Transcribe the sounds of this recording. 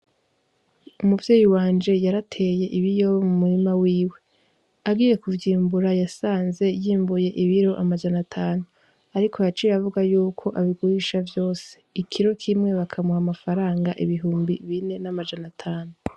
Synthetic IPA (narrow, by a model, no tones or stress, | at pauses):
umuvjeːjiwaːnd͡ʒe̞jaɾatʰe̞je̞ʔiβijo̞mumuɾimawiːwe̞ | aɡiːje̞kuvjiːmbuɾajasaːnze̞jiːmbuje̞ʔiβiɾo̞ʔamad͡ʒanatʰaːnu | aɾikʰo̞jat͡ʃiɾavuɡajuːkʰo̞ʔaβiɡuɾiʃavjo̞ːse̞̥ikʰiɾo̞kʰimŋe̞βakʰamuhamafaɾaːŋɡaʔiβiɦuːmbiβine̞namad͡ʒanatʰaːnu